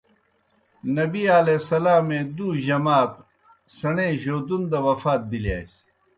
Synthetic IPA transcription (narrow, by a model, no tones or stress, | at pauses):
nɐbiaːlesɐlaːmẽd̪uːʑɐmaːt̪̚ | sɐɳeːʑoːd̪und̪ɐwɐfaːt̪̚bilja̰ːis